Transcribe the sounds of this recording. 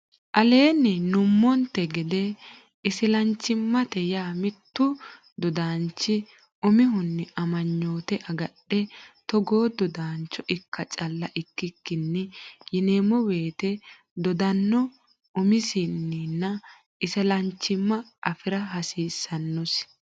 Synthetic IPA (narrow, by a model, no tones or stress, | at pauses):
ʔɐle̞ːnːɛnʊmːɔnt̪ɛɡɪd̪ɛ | ɪsɪlɐnt͡ʃːɪmːɐt̪ɛjaːmɪt̪ːʊ | d̪ɔd̪aːnt͡ʃːɪ | ʊmɪɦʊnːɛʔɐmɐɲːoːt̪ɛʔɐɡɐɗːɛt̪ɔɡoːd̪ɔd̪aːnt͡ʃːɔʔɪkːɐt͡ʃʼɐlːɐʔɪkːɪkːɪnːɛjɪneːmɔweːt̪ɛ | d̪ɔd̪ɐnːɔ | ʔʊmɪsɪnːinːɐ | ɪsɪlɐnt͡ʃːɪmːɐʔɐfɪɾɐɦɐsiːsːɐnːɔs